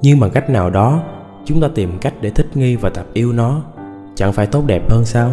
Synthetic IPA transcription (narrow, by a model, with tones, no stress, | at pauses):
ɲɨ˧ŋɓa˨˩ŋka˦˥jk̟̚naː˨˩wɗɔ˨˦ | t͡ɕʊ˨˦ŋ͡mt̪aː˧t̪i˨˩mka˦˥jk̟̚ɗe˧˩t̪ʰï˦˥k̟̚ŋi˧vaː˨˩t̪ə˨˩p̚ʔi˧əwnɔ˨˦ | t͡ɕa̰˧˩ŋfaː˧˩jt̪o˦˥t̚ɗɛ˨˩p̚həː˧nsaː˧w